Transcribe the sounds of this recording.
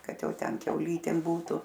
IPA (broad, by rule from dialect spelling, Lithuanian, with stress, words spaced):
ˈkɐt ˈjɛʊ ˈtʲɛn kʲɛʊˈlʲiːtʲeːm ˈbuːtʊ